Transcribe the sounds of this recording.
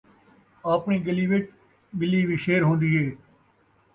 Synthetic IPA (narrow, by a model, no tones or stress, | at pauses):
aːpɳiːɡɪliːʋeːʈ̚ | ɓɪliːʋiːʃeːɾɦõːnd̪iːɦeː